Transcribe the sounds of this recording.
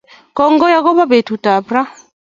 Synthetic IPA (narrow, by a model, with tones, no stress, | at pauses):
kɔ˦ŋɡɔ˦ja˦ɣɔ˦ba˦bɛ˨tu˨ta˨bɾa˦